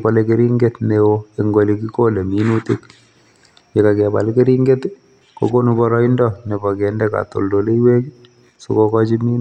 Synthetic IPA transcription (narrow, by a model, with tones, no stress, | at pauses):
pɔ˨lɛke˦ɾi˦ŋɡe˦t̪newoeŋɡo˨li˨ki˦ko˦le˨mi˦nu˦tɪ˦k | je˨ka˨kɛ˨ba̰˨lke˦ɾi˦ŋɡe˦t̪ | ko̰˨ko˦nu˦bɔ˦ɾɔ˦i˦ndɔ˦nɛ˨bɔ˨kɛ˨ndɛ˦ka̰˨t̪o̰˨ldo˨le˦i˦we˦k | su˦kɔ˦kɔ˦t͡ʃi˦mi˦n